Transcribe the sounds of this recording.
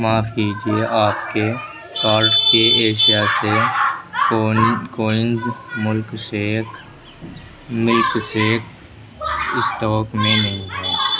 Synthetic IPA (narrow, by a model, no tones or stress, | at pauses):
maːfkiːd͡ʒieʔaːpke | paːɾʈkeeːʃijase | koːɪnzmʊlkse | mʊlkseːk | ɪsʈɔːkmẽnɐɦĩɦɛː